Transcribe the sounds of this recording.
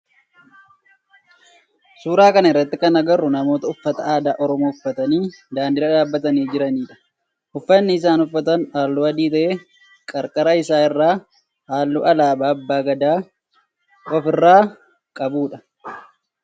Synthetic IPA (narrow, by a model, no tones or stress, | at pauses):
suːɾaːkɐnɐɪrːɐt̪ːɪkɐnɐɡɐrːʊnɐmo̞ːt̪ɐʊfːɐt̪ɐaːd̪aːʔɔɾɔmoːʊfːɐt̪ɐniːd̪aːnd̪ɪɾɐᶑaːbːɐt̪ɐniːd͡ʒɪɾɐniːᶑɐ̥ | ʊfːɐnːɪɪs̬aːnʊfːɐt̪ɐnhaːlːuːɐd̪iːt̪ɐʔe | kʼɐɾkʼɐɾɐɪsaːɪrːaː | haːlːṵːʔɐlaːbaːbːaːɡɐd̪aː | ɔfɪrːaː | kʼɐbuːᶑɐ̥